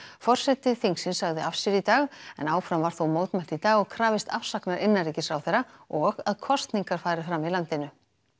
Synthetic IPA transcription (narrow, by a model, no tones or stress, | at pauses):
fɔr̥sɛt̪ɪθiŋksɪnsaɣðɪafsɛɾit̪aːɣɛ̰naːwfɾamvaɾ̥θowmoːwt̪mɛl̥t̪it̪aːɣɔɣkʰɾaːvɪst̪afsaknaɾʔɪnːariːcɪsɾawθɛɾaɔɣaðkʰɔst̪niŋkaɾ̥faːjɾɪfɾamːɪðlant̪ɪnʏ